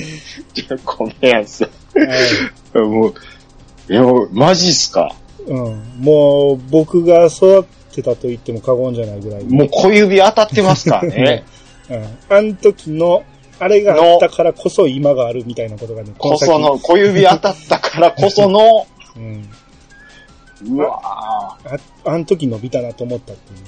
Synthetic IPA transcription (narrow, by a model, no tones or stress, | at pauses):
kʰomejãsa | amo | eomaʑisɨ̥ka̰ | ɯ̟̃moːbo̞kɯ̟ɡaso̞d̪at̪ːe̞t̪at̪o̞it̪ːe̞mo̞kaɡõ̞ɲ̟d͡ʑanaiɡɯ̟ɾaimoːkʰojɯbʲiat̪at̪ːe̞masɨ̥kaɾ̰ne | ɯ̃ant̪o̞kʲino̞ | aɾe̞ɡaat̪ːakʰaɾakʰo̞so̞imaɡaːɾɯ̟mʲit̪ainako̞t̪o̞ɡane̞konosankojɯbʲiat̪at̪ːakʰaɾako̞sonoɯ̟̃ɴ | ɯa | a | ant̪o̞k̬ʲino̞bʲit̪anat̪oːmo̞t̪ːat̪ːejɯ